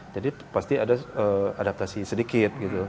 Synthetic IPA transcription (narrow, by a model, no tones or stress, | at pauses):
d͡ʒadipast̪iadaəadap̚t̪asisədikɪt̪̚ɡit̪u